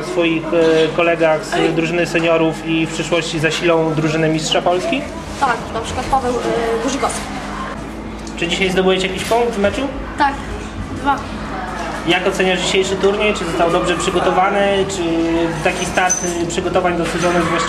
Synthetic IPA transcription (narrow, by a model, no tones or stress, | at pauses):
sfɔjixkɔlɛɡaxsd̪ɾuʐɘnɘsɛɲɔɾufifpʂɘʂwɔɕt͡ɕizaɕilɔ̃w̃d̪ɾuʐɘnɘmʲistʂapɔlskʲi | t̪aknapʂɘ̥kwat̪̚pɔvɛwɡuʐɡɔskʲi̥ | t͡ʂɘd͡ʑiɕajzd̪ɔbujɛt͡ɕɛjakʲiɕʲpɔŋvmɛt͡ʂu | t̪ak | d̪va | jakɔt̪sɛɲaʐd͡ʑiɕejʂɘt̪uɾɲejt͡ʂɘzɔst̪awd̪ɔbʐɛpʂɘɡɔt̪ɔvanɘt͡ʂɘt̪akʲist̪aɾt̪pʂɘɡɔt̪ɔvaɲd̪ɔsuzɔnɛzvwaɕ